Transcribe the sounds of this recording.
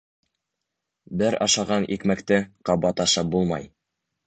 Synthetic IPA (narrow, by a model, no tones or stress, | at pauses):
bɘɾɑ̰ʃɑʁɑnʔikmækt̪ɘqɑbɑt̪ɑʃɑp̚bulˠmɑ̰j